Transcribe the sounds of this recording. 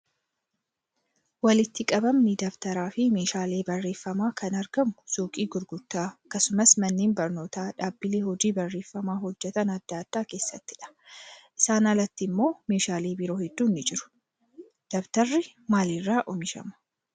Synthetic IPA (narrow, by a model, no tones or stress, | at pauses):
wɐlɪt̪ːɪkʼɐbɐmnɪd̪ɐbt̪ɐɾaːfɪme̞ːʃaːle̞ːbɐrːe̞ːfːɐmaːkʰɐnɐɾɡɐmʊsuːkʼiːɡʊɾɡʊt̪ːaːɐkːɐsʊmɐsmɐnːeːnbɐɾno̞ːt̪aːᶑaːbːɪleːhɔd͡ʒiːbɐrːe̞ːfːɐmaːɦɔd͡ʒːɛt̪ɐnɐd̪̥ːaːd̪̥ːaːke̞ːsːɐt̪ːɪᶑɐ̥ | ʔɪsaːnɐlɐt̪ːɪmːo̞ːme̞ːʃaːleːbɪɾo̞ːhɛd̪̥ːuːnːɪd͡ʒɪɾʊ̥ | d̪̥ɐbt̪ɐrːɪmaːlɪrːaːʔɔmɪʃɐ̰mɐ̥